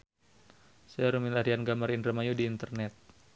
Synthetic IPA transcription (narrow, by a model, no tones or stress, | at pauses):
saɾumilaɾianɡamaɾinrəmajudiːnt̪ərnɛt̪̚